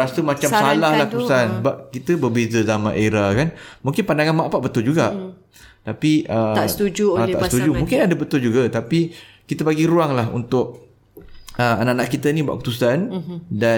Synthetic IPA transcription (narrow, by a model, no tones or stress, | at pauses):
ɾasəmat͡ʃamsalahlahkut̪usanbap̚kit̪əbərbezəzamã̰ʔeɾakanmũŋkɪnpandaŋanmaʔpaʔbət̪ʊld͡ʒuɡa | t̪apiʔəst̪ud͡ʒuat̪a̰ʔst̪ud͡ʒumũŋkɪnadəbət̪ʊld͡ʒuɡət̪api | kit̪əbaɡiɾuaŋlahṵnt̪ʊk̚ | əanaʔanaʔkit̪ənĩbua̰ʔkut̪usanda